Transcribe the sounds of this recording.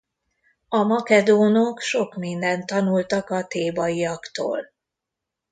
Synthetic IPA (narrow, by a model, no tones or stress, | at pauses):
ɒmɒkɛd̪oːnokʃo̞kmind̪ɛnt̪ːɒnult̪ɒkɒt̪eːbɒjijɒkt̪o̰ːl